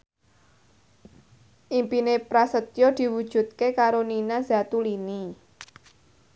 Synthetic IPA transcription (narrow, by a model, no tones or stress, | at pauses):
ʔimpinepɾasət̪jɔd̪̥i̤wud̥ʒ̥ṳt̪̚kekaɾoninaza̤t̪ulini